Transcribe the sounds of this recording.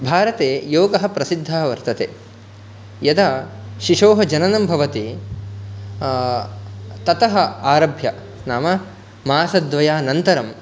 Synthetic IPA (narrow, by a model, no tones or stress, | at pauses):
bʱaːɾɐt̪eːjoːɡɐɦɐ̆pɾɐsid̪ʱːɐɦɐʋɐɾt̪ɐt̪ḛː | jɐd̪aʃiʂoːɦɐd͡ʒɐnɐnɐmbʱɐʋɐt̪i | t̪ɐt̪ɐɦɐ̆aːɾɐbʱjɐ | snaːmɐ | maːsɐd̪ʋɐjaːnɐnt̪ɐɾɐm